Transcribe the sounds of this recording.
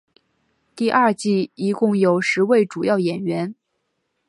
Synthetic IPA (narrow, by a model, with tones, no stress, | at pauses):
t̪i˥˧ʔɐ˥˧t͡ɕi˥˩i˧˥kʊ˥˩ŋjo˨˩ʊʂɻ̩˧˥we˥˩ɪʈ͡ʂu˨˩jɑ˥˩ʊjɛ˨˩nɥɛ˧˥n